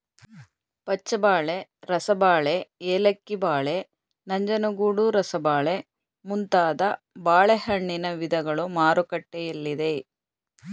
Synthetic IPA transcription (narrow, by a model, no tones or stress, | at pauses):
pɐt͡ʃːɐbaːɭeɾɐsɐbaːɭeeːlɐkːibaːɭe | nɐɲd͡ʒɐnɐɡuːɽuɾɐsɐbaːɭe | munt̪aːd̪ɐ | baːɭehɐɳːinɐʋid̪ɐɡɐɭumaːɾukɐʈːɛjɐlːid̪e̞